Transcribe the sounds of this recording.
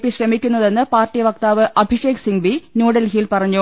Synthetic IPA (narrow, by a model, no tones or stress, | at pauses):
pːiɕrɐmikʲːunːɐðe̞nːɨpaːrtːijʋɐkt̪aːʋɨʔɐbʱiʂe̞ːksiŋʋinuːɽɐlɦilpɐrɐɲːu